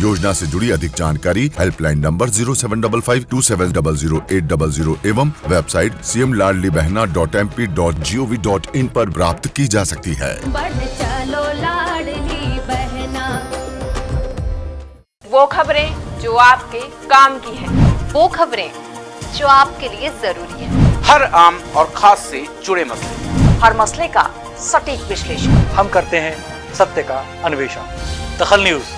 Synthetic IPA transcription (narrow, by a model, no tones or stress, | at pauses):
joːd͡ʒnased͡ʒʊɽiɐd̪ʱɪk̚d͡ʒaːnkaːɾiɦɛːlplaːɪnːɐ̃mbəɾziːɾosɛːʋənɖɐbəlfʰaːɪʋʈuːsɛːʋə̃nɖɐbəlziːɾoʔeːʈ̚ɖɐbəlziːɾoʔeːʋəmʋɛːbsaːɪʈsiːɛmlaːɽlibɛɦnaɖɔːʈɛːmpiːɖɔːʈ̚d͡ʒiːoːʋiɖɔːʈɪnpɐɾpɾaːpt̪kid͡ʒaːsɐk̚t̪iɦɛ̰ːbɐɽt͡ʃɐlolaɽlibɛɦna | ʋoːkʰɐbɾẽd͡ʒoːaːp̚kekaːmkiɦɛ̃ːʋoːkʰɐbɾẽ | d͡ʒoːaːp̚keliezɐɾuːɾiɦɛ̃ːhɐɾaːmɔːɾxʰaːsːed͡ʒʊɽemɐslḛhɐɾmɐsleka̰ | sɐʈiːkʋɪʃleːʃəkhɐmkɐɾt̪eɦɛ̃ | sɐb̚t̪əka | ɐnʊʋeːʃa̰ːd̪ɐxəlnjuːz